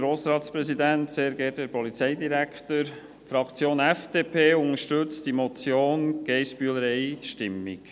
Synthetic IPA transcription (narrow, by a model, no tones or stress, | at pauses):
ɾoːsɾɑːtspɾɛsid̪ænt̪seːɾɡɛːt̚dɛɾpɔlit͡sɛɪd̪iɾækʰtəɾ | fɾɑkt͡sjoːnɛfd̥eːpʰeːʊŋəʃtʉt͡std̥imɔt͡sjoːnɡ̥ɛɪsbyələɾɛɪʃtɪmːḭk